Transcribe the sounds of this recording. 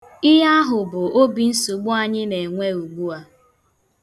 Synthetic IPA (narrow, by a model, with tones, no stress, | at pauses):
ɪ˦ɦa˦ɦʊ˨bʊ˨o˦bi˨n̩˦su˨ɡ͡bʊ˦a˦ɲɪ˦ne˨ŋʷe˦u˨ɡ͡bu˦a˦